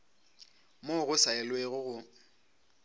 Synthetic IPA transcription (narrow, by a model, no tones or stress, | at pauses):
moɣʊsaɪlweɣʊɣʊ